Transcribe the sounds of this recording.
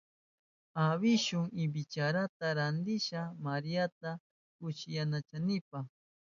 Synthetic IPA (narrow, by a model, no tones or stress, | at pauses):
aβɪʃʊŋɪbɪt͡ʃaɾat̪aɾand̪ɪʃamaɾijat̪a | kʊʃɪjanat͡ʃanɪpa